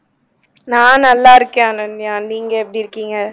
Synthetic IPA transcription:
nãːnɐlːaːɪɾɯkːẽanɐnjaːniːŋɡɐɛpːɐɽiɪɾɯkːiːŋɡɐ

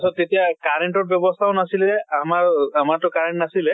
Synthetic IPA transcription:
sɔtːetijakaɹenʈɔɹbjɔbɔst̪ʰaʊ̃nasilɛamaɹamaɹtʊkaɹeɳtnasilɛ

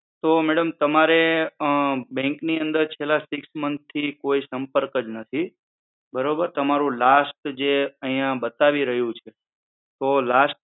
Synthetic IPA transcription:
t̪omɛɽəmt̪əmaɾe | bɛ̃ŋkniənd̪əɾt͡ʃʰelasɪksmənst̪ʰːikoisəmpəɾkəd͡ʒnət̪ʰi | bəɾobəɾt̪əmaɾũlasʈd͡ʒeəɦĩjãbət̪aʋiɾəɦjũt͡ʃʰe | t̪olasʈ̚

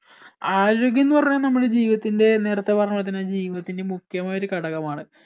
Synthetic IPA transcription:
aːɾoːɡjɐnːɨpɐrɐɲːɐnɐmːuɽed͡ʑiːʋiðɐt̪ːinde̞ne̞ːɾɐt̪ːepɐrɐɲɐɐt̪ːinad͡ʑiːʋiðɐt̪ːinde̞mukʰjɐmaːjo̞ɾukɐɽɐɣɐmaːɳɨ

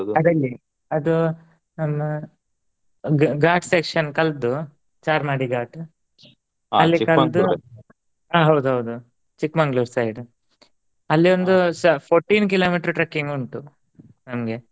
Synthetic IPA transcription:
ɐd̪ɐlːi | ɐd̪u | nɐmːɐ | ɡaːʈsekʂɐnkɐld̪u | t͡ʃaːɾmaːɽiɡaːʈ | ɐlːikɐd̪u | aːɦɐwd̪uɦɐwd̪u | t͡ʃikːmɐŋɡlusɐjɖ | ɐlːiʋond̪usɐpʰoːɾʈːiːnk̬iloːmiːʈɐɾʈɾɐkːiŋɡuɳʈu | nɐmɡe̞

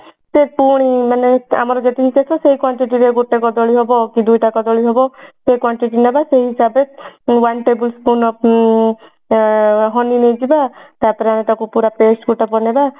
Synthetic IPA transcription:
sepuɽ̃imanea̰mɔɾɔd͡ʒet̪iɦikesɔseɦikwɔɳʈiʈiɾeɡoʈekɔd̪ɔɭiɦɔbɔkid̪ujʈakɔd̪ɔɭiɦɔbɔsekwɔɳʈiʈinabaseɦiɦisabewanʈebulspunɔp | ɦɔninejd͡ʒibat̪aɾpɔɾeamet̪akupuɾapesʈɡuʈapɔneba

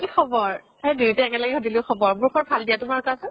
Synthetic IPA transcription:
kixʰɔbɔɹ | hedutɛɛŋɛlaɡɛhodilʊ̃xʰɔbɔɹbuɹkʰɔɹbʱaldijatʊmaɹkasʊ

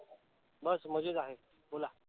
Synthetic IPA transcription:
bəsməd͡ʑud̪aɦe | bola

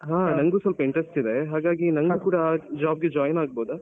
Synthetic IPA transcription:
ɦãːnɐŋɡuːsʋɐlpɐiɳʈɾesʈid̪e̞ɦaːɡaːɡinɐŋɡuːkuːɽɐd͡ʒaːb̚ɡed͡ʒaːjnaːɡ̚boːd̪ɐ

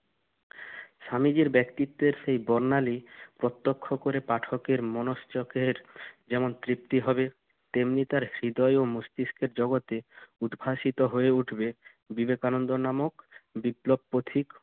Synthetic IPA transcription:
ʃamid͡ʑiɾbɛkt̪it̪ːeɾʃejbɔɾnalipɾɔt̪ːokʰːokoɾepaʈʰokeɾmɔnoʃt͡ɕokʰeɾd͡ʑɛmont̪ɾip̚t̪iɦɔbe | t̪emnit̪aɾɾid̪ɔjomust̪iskʰeɾd͡ʑɔɡot̪eud̪bʱaʃit̪oɦoeuʈʰbe | bibekanond̪onamokbiplob̚pot̪ʰik

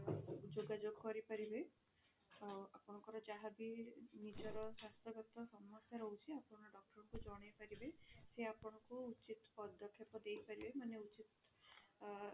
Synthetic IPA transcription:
d͡ʒoɡad͡ʒoɡkɔɾipaɾibe | awapɔɽ̃ɔ̃ŋkɔɾɔd͡ʒaɦabinid͡ʒɔɾɔsast̪ʰɔɡɔt̪ɔsɔmːasjaɾɦɔut͡ʃʰiapɔɽɔ̃ɽ̃ɔɖɔk̚ʈɔɾɔɽɔkud͡ʒɔɽ̃ajpaɾibeseapɔɽ̃ɔkuut͡ʃit̪pɔd̪ʱɔkʰepɔd̪eipaɾibemaneut͡ʃit̪

